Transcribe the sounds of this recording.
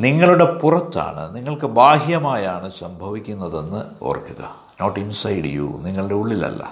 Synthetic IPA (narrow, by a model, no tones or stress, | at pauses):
niŋːɐɭuɽe̞purɐt̪ːa̰ːɳɨ̰niŋːɐɭkɨbaːɦjɐmaːjaːɳɨsɐmbʱɐʋikʲːunːɐðe̞nːɨo̞̰ːrkːuɣɐ̰ | noːʈːinsɐjɖḭjṵːniŋːɐɭuɖe̞uɭːilɐ̰lːɐ̰